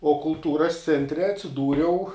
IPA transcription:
oː kʊlˠˈtuːrɐs ˈt͡sʲɛnʲtʲrʲɛ ɐtʲsʲɪˈduːrʲɛʊ

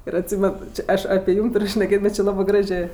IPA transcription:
ɪr ɐtʲˈsʲiːmʲɛn ˈt͡ʃʲɪ ˈɐʃ ɐpʲeː ˈjuːm ˈtʊrʲ ʃʲnʲɛˈkʲeːtʲ ˈbʲɛt t͡ʃʲɪ ˈlˠɑːbɜ ˈɡrɑːʒʲeː

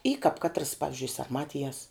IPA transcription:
iː kɐp ˈkɑːtrɐs ˈpɑːʋʲɪzʲd͡ʒʲʊɪ sɐrˈmɑːtʲɪjɛs

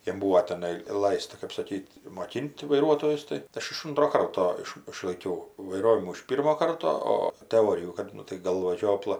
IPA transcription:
jɛm ˈbuːʋoː tʲɛˈnɐɪ ˈlˠɐɪstɐ kɐp sɐˈkʲiːtʲ moːˈkʲɪnʲtʲ ʋɐɪˈruɔtoːjʊs tɐɪ ˈɐʃ ɪʃ ˈʊntroː ˈkɐrtoː ˈɪʃ ɪʃlˠɐɪˈkʲɛʊ ʋɐɪˈroːʋʲɪmuː ɪʃ ˈpʲiːrmoː ˈkɐrtoː ˈoː təˈoːrʲɪjuː ˈkɐt ˈnʊ tɐɪ ˈɡɐlˠʋɐ ˈʒʲoːplˠɐ

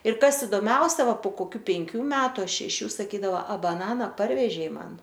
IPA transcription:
ɪr ˈkɐs ɪdoːˈmʲɛʊsʲɛ ˈʋɐ poː koːˈkʲuː pʲɛŋʲˈkʲuː ˈmʲæːtʊ ɐ ʃʲɛˈʃʲuː sɐˈkʲiːdɐʋɐ ɐ bɐˈnɑːnɐ ˈpɐrʲʋʲɛʒʲɛɪ ˈmɐn

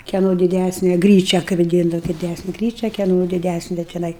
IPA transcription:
kʲɛˈnoː dʲɪˈdʲæsʲnʲɛ ˈɡrʲiːt͡ʃʲɛ kɐɪ ʋɐˈdʲiːndɐʋɐ dʲɪˈdʲæsʲnʲɛ ˈɡrʲiːt͡ʃʲɛ kʲɛˈnoː dʲɪˈdʲæsʲnʲɛ tʲɪˈnɐɪ

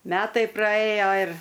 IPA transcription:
ˈmʲæːtɐɪ prɐˈeːjoː ɪr

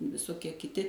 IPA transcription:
ʋʲɪsoːˈkʲiɛ kʲɪˈtʲɪ

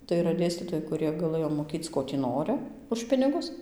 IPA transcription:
tɐɪ iːˈrɐ ˈdʲeːsʲtʲiːtoːjɛɪ kʊˈrʲiɛ ɡɐˈlˠɘjoː moːˈkʲiːt͡s ˈkoː tʲiː ˈnoːrɨ ʊʃ ˈpʲɪnʲɪɡʊs

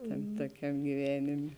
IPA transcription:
ˈtɐm toːˈkʲɛm ɡʲɪˈʋʲæːnʲeːmʲeː

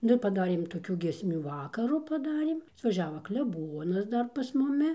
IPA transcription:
ˈnʊ ɪr pɐˈdɑːrʲeːm toːˈkʲuː ɡʲiɛsʲˈmʲuː ˈʋɑːkɐrʊ pɐˈdɑːrʲeːm ɐtʋɐˈʒʲæːʋɐ klʲɛˈboːnɐs ˈdɐr pɐs mʊˈmʲɪ

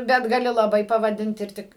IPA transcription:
ˈbʲɛt ɡɐˈlʲɪ lˠɐˈbɐɪ pɐʋɐˈdʲɪnt ɪr ˈtʲɪk

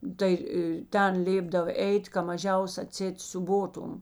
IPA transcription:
ˈtɐɪ ɪ ˈtʲɛn ˈlʲeːbdɐw ˈɛɪtʲ kɐ mɐˈʒʲɛʊs ɐˈtʲsʲɛɪt sʲuːˈboːtʊm

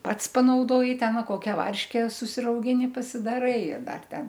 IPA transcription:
ˈpɐts pɐnɐʊˈdoːjɪ ˈtʲɛn ˈʋɐ ˈkoːkʲɛ ˈʋɐrʲʃʲkʲɛ sʊsʲɪrɐʊˈɡʲɪnʲɪ pɐsʲɪdɐˈrɐɪ ɪr ˈdɐr ˈtʲɛn

